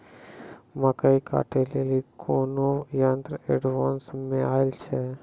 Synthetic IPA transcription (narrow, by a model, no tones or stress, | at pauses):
məkəika̰ːʈelelikʰoːnojãːnt̪ɾəeɖʋãːnsmẽaːɪlt͡ʃʰɛ